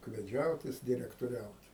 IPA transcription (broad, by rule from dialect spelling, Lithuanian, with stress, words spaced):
ʊkʋʲɛˈd͡ʒʲɛʊt ˈjɪs dʲɪrʲɛktoːˈrʲɛʊt